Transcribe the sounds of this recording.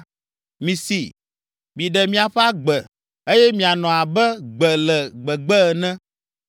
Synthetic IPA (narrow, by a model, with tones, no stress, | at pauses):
mĩ˨sḭ˨ | mĩ˨ɖɛ˨mĩ˦a˨ɸɛ˦a˦ɡ͡bɛ˨ | e˦jɛ˦mĩ˨a˨nɔ̃˨a˨bɛ˦ɡ͡bɛ˨lɛ˨ɡ͡bɛ˨ɡ͡bɛ˦˨nɛ̃˦